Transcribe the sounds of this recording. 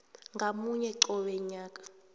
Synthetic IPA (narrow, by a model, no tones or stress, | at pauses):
ŋɡʱamuɲɛǀɔɓɛɲaːkʼḁ